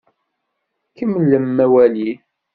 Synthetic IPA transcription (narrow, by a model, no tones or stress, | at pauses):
kəmləmːæwæli